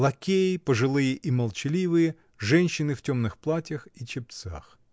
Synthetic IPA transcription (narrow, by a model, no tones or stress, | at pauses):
lˠɐkʲejipɔʐɪlˠɪjɛʔimɐlˠt͡ʃɪlʲiʋɪjɛ | ʒɛnʲʃːɪnɪw̥tʲɔmnɪxplˠatʲɐxit͡ʃɪp̪̚sʲa̰x